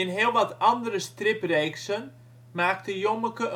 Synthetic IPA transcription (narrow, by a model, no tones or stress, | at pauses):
ɪnɦɪəlˠʋɑtɑndəɾəstrɪpreːksən | maːk̚təjoməkə